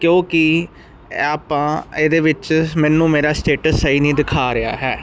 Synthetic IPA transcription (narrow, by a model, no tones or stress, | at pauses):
kjõːkɪ | aːpãːeːd̪eːʋɪt͡ʃmɛ̃ːnːũːmeːɾaːsʈeːʈəsːəɦiːnĩːd̪ɪkʰaːɾɪa̰ːɦɛː